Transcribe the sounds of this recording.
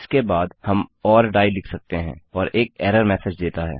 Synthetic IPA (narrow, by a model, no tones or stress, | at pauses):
skebaːd̪hɐmɔːɾɖaːilɪkʰsɐk̚t̪eɦɛ̃ːɔːɾeːk̚ɛːɾəɾmɛːsed͡ʒd̪eːt̪aɦɛ̰ː